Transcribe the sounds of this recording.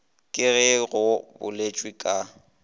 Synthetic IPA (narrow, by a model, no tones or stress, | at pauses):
kʼɪɣɛɣʊbʊ̰let͡ʃʼwikʼa